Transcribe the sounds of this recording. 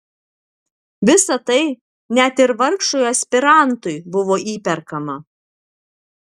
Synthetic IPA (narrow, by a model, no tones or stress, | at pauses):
ʋʲɪsɐt̪ɐɪ | nʲæt̪ɪɾʋɐɾkʃojɐsʲpʲɪɾɑˑnt̪ʊɪbʊʋoːʔiːpʲɛɾkɐmɐ